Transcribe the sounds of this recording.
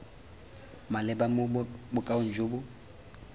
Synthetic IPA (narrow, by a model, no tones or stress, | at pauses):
malɪbamʊbʊkʼaʊn̩d͡ʒobʊ